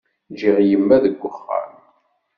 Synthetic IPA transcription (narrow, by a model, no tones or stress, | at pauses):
d͡ʒiʁjəmːæðəɡʷːʊχːæ̰n